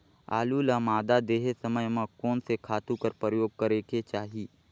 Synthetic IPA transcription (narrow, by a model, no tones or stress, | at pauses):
a̰ːlulamaːd̪ad̪eːɦesɐməjmə̃kɔːnsekʰaːt̪ukəɾpɾəjoːɡ̚kəɾeːkʰet͡ʃaːɦiː